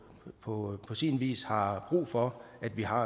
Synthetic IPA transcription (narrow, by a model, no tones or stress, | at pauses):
pʰɒ̽pʰɒ̽sinʋḭːshɑ̈b̥ʁṵːfɒ̽æd̥ʋiɦɑ̈